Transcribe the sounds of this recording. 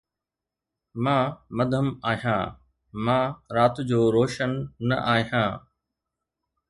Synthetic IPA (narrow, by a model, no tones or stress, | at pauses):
mãːmɐd̪ʱəmaːɦijã̰ː | mãːɾaːt̪d͡ʑoːɾoːʃənːɐ̰ʔaːɦijãː